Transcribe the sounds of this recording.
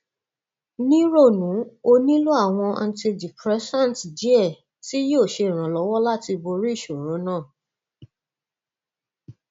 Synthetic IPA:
nĩ˦ɾo˦˨nũ˨˦o˧nĩ˦lu˦a˦˨w̃ɔ̃˧a˧n̩˦ti˧di˨pɾɛ˨˦sã˦n˨td͡ʒi˨˦ɛ˦˨ | ti˦jo˦˨ʃe˧˨ɾ̃ã˨lɔ˨˦wɔ˦la˦ti˧bo˧ɾi˦˨ʃo˨ɾõ˨˦nãː˦˨

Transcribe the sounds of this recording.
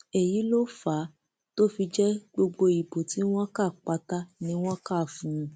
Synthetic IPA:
ɛ˨ji˨˦lo˦fa˨˦ | to˦fi˧d͡ʒɛ˦ɡ͡bo˧ɡ͡bo˧i˨bo˨ti˨˦w̃ɔ̃˦ka˦˨k͡pa˧ta˦nĩ˧˦w̃ɔ̃˦ka˦˨fũ˨ũ˧

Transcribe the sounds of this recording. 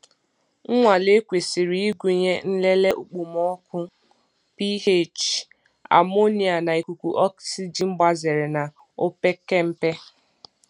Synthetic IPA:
ŋ̩˦ŋʷa˨le˦kʷe˨si˨ɾi˨˦i˦ɡʷu˨ɲe˦n̩˦le˦le˦ʔu˨k͡pu˨mɔ˦kʊ˦ | pi˦e˦˨t͡ʃ | a̰˨mo˦ni˨a˨na˨i˨ku˨kʷu˨ʔɔ˦ksi˦d͡ʒi˨ŋ͡m̩˦ɡ͡ba˦ze˨ɾɪ˨na˨ | o˦pe˦ke˦m̩˦pe˦

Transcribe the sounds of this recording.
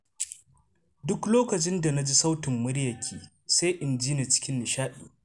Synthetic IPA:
dʊ˦kloː˦kɐ˨t͡ʃɪ˦nda˨na˦d͡ʒi˦sa˦wtɪ˨mːʊ˦ɽjɐ˨kʲʰiː˨ | sa˦jʔɪ˨nd͡ʒiː˦ne˨t͡ʃɪ̥˦kʲɪ˦nːɪ˨ʃaː˦ɗḭː˨

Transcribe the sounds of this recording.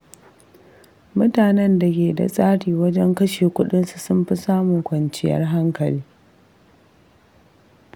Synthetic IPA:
mʊ˦taː˨nɛ˦nda˨kʲeː˨da̰˨sʼaː˦ɽiː˨wɐ˦d͡ʒɛ˦ŋkɐ˦ʃeː˨kʷʊ˦ɗɪ˦nsu˨sʊ˦mɸɪ˦saː˦mu˨kʷɐ˨nt͡ʃɪ˦jɐ̰˦rɦa˦ŋkɐ˨liː˦

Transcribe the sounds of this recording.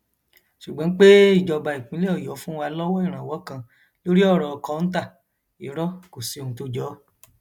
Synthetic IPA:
ʃu˨ɡ͡bã˦k͡pe˦i˦˨d͡ʒɔ˧ba˧ɾi˨k͡pĩ˨˦le˦ɔ˦˨jɔ˨˦fũ˦wa˧lɔ˦wɔ˦i˦˨ɾ̃ã˨wɔ˨˦kã˧ | lo˦ɾi˦ɔ˦˨ɾɔ˧kɔ˨˦n̩˦t̬a˦˨ | ḭ˨ɾɔ˦ko˨se˨˧o˧ũ˧to˦d͡ʒɔ˨˦

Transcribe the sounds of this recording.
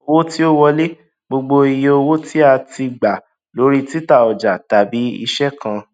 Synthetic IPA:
o˧wo˦ti˦o˦wɔ˧le˦ | ɡ͡bo˧ɡ͡bo˧i˧je˧o˧wo˦ti˦a˧ti˧ɡ͡ba˨ | lo˨˦ɾi˦ti˦ta˦˨ɔ˨d͡ʒa˨ta˨bi˨˦ḭ˧ʃɛ˦kã˧

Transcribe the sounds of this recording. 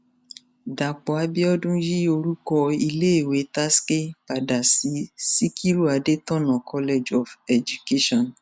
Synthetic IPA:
da˨k͡pɔ˨a˧˦bi˦ɔ˦dũ˦ji˦o˧ɾu˦kɔ˧i˧le˦e˦˨we˨˦ta˦ske˦pa˨da˨si˨˦si˦kʰi˦ɾu˦a˨˧de˦tɔ̃˦˨nɔ̃˨kʰɔ˦le˦d͡ʒɔ˨fɛ˨d͡ʒu˨ke˦ʃɔ̃˦˨n

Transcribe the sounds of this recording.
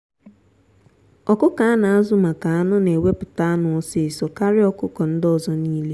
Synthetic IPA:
ɔ˨kʊ˦ka˨a˦na˨a˦zʊ˦ma˨ka˨a˦nʊ˦ne˨we˦pʊ˨ta˦a˦nʊ˨˦sɪ˦˨sɔ˨ka˦ɾɪ˦ɔ˨kʊ˦kɔ˨n̩˦dɔ˨zɔ˦niː˦le˦

